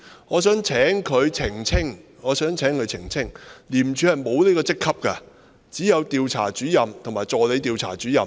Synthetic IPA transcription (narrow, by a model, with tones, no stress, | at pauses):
ŋɔː˨˧sœː˨˥ŋt͡sʰɛː˨˥ŋkʰɵ˨˧ɥt͡sʰɪ˨˩ŋt͡sʰɪ˥ŋŋɔː˨˧sœː˨˥ŋt͡sʰɛː˨˥ŋkʰɵ˨˧ɥt͡sʰɪ˨˩ŋt͡sʰɪ˥ŋliː˨˩mt͡ʃʰy˨˧hɐ˨jmo˨˧wneː˥kɔː˧t͡sɪ˥kʰːɐ˥p̚kɐ˧ | t͡siː˨˥jɐ˨˧wt̪iː˨˧wt͡sʰa̰ː˨˩t͡ʃyː˨˥jɐ˨mt̪ʰŋmaː˨˩jt͡sɔː˨le˨˧jt̪iː˨˧wt͡sʰa̰ː˨˩t͡syː˨˥jɐ˨m